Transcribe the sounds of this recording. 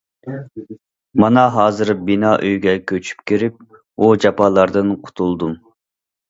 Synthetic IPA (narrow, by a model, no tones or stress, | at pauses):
mɑnɑɦɑːzɨɾbinɑʔøjɡʲɛkʲʰøt͡ʃʰy̥pkʲʰiɾɪp̚ | ud͡ʒɑpʰɑːlˠɑɾd̪ɨnqʰʊ̥t̪ʰulˠd̪um